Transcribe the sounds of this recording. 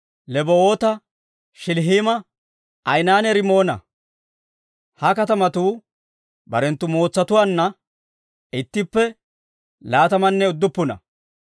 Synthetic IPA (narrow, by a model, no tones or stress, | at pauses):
lɛbooːt̪ɐ | ʃɪlɦiːmɐ | ɐjnaːnɛɾɪmo̞ːnɐ̰ | hɐkɐt̪ɐmɐt̪uː | bɐ̰ɾɛnt̪ːʊmo̞ːt͡sːɐt̪ʊwaːnːɐ | ɪt̪ːɪpːɛ | laːt̪ɐmɐnːɛʊd̪ːʊpːʊnɐ̰